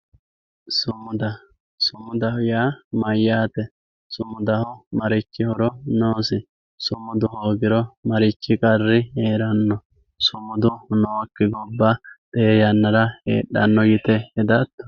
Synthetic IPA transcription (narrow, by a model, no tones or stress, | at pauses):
sʊmʊd̪ɐ | sʊmʊd̪ɐhʊjaːmɐjːaːt̪ɛ | sʊmːʊd̪ɐhʊmɐɾɪt͡ʃːɪhɔɾɔnoːsɪ | sʊmːʊd̪ʊhoːɡɪɾɔmɐɾɪt͡ʃːɪkʼɐrːɪeːɾɐnːɔ | sʊmʊd̪ʊnoːkːɛɡɔbːɐd̪̥ɛɛjɐnːɐɾɐḛːɗːɐ̰nːɔɡɪt̪ɛɛd̪ɐt̪ːɔ̥